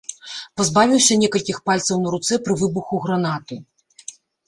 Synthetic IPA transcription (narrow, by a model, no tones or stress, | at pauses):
pɐzbavʲiwsʲɐnʲɛkɐlʲkʲixpalʲt̪sɐwnɐɾut̪sɛpɾɨvɨbuxuɣɾanat̪ɨ